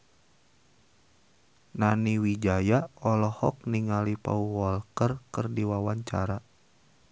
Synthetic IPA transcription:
naniwid͡ʒajaɔlɔhɔk̚niŋalipa̰uwɔlkərkɨrdiwawaɲt͡ʃaɾa

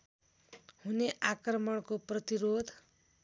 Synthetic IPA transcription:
huneʔakrʌmʌɽkoprʌt̪iɾod̪ʱ

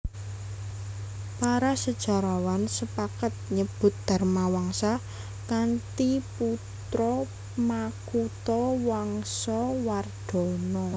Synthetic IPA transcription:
paɾasəd̥ʒ̥a̤ɾawansəpakət̪̚ɲəb̥ʊ̤t̪̚d̪̥a̤rmawaŋsa | kant̪iput̪ɾɔ | makut̪ɔwaŋsɔward̪̥ɔ̤nɔ

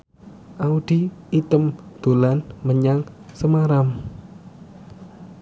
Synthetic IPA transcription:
ʔaud̪̥iit̪əmd̪̥o̤lanməɲaŋsəmaɾam

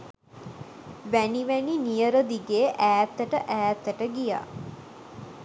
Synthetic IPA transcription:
ʋæniʋæninijəɾod̪iɡeʔæːt̪ːəʈəʔæːt̪ːəʈəɡija̰ː

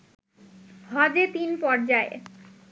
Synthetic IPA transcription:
ɦɔd̪et̪inpɔɾd͡ʑae

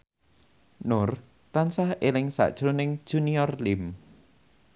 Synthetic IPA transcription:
nʊr | t̪ansahelɪŋsa̰ʔd̥ʒ̥ɾʊnɪŋ̥ʒ̥uniɔrlɪm

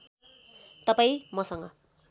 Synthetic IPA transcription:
t̪ʌpaĩmʌsʌŋɡʌ̰

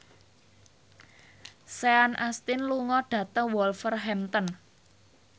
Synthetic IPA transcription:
seanʔast̪ɪnluŋɔɖ̥ä̤t̪əŋwɔlfərɦɛmt̪ən

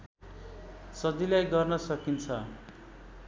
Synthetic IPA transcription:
sʌd͡zilajɡʌrnʌsʌkint͡sʰʌ

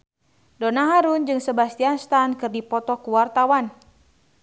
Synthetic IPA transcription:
donaɦaɾund͡ʒɨŋsəbast̪ianst̪ankɨrdipɔt̪ɔkuwart̪awan

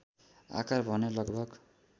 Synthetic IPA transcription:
a̰karbʱʌnelʌɡbʱʌɡ

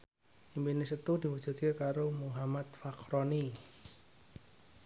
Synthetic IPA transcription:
ʔimbinisət̪udiwu̥ʒ̥ṳt̪̚kekaɾomuɦamat̪fakɾɔni

